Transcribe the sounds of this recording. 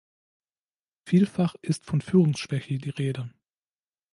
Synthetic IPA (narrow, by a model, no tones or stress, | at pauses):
fiːlfaχʔɪstfɔnfyːʁʊŋsʃv̥ɛçədiːʁeːdə